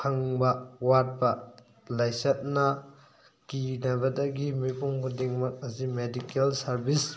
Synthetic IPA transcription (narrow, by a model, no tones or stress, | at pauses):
kʰaŋbɐwat̚bɐ | lajsɐt̚nɐ | kinɐbɐdɐɡimipuŋkudiŋmɐk̚ɐzimedikelsɐɾbʱis